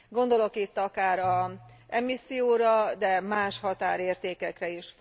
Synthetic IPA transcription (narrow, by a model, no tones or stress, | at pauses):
ɡo̞nd̪o̞lo̞kit̪ːɒkaːɾɒɛmisːijoːɾɒd̪ɛmaːʃhɒt̪a̰ːɾeːrt̪eːkɛkrɛiʃ